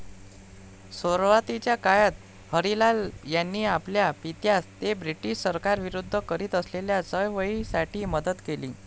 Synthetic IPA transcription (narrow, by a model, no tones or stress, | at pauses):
soɾʋat̪it͡ɕjakajat̪ | həɾilaljanːiːapljapit̪jast̪ebɾiʈiʂsəɾkaɾʋiɾud̪ʱːəkəɾiːt̪əsleljat͡səjʋəisaʈʰiːməd̪ət̪kelḭː